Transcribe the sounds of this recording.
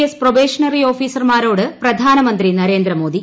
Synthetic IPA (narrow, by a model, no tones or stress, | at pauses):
ɐsprɐʋeːʂɐɳɐrio̞ːfiːsɐrmaːɾo̞ːɽɨprɐd̪ʱaːnɐmɐnd̪ɾinɐɾe̞ːnd̪ɾɐmo̞ːd̪i